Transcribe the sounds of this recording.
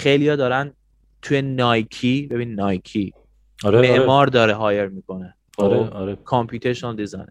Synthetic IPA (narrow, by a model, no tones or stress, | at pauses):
xejlijɒːd̪ɒːɾæn | t̪ʰujenɒːjkʰibe̞biːnːɒːjkʰi | ɔɾemeʔmɒːɾd̪ɒːɾeɦɒːjeɾmiːkʰo̞ne | ɾeɔɾekʰɔmpʰuːt̪ʰeɾʃonld̪izɑ̰n